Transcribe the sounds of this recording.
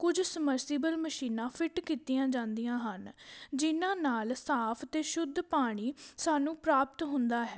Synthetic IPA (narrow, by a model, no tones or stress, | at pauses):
kʊd͡ʒsəməɾsɪbəlməʃiːnãːpʰɪʈkiːt̪ijãːd͡ʒãːnd̪ijãːɦənd͡ʒɪnãːnaːlsaːpʰt̪eːʃʊd̪ʱpaːɽ̃iːsaːnũːpɾaːp̚t̪ɦʊnd̪aːɦɛː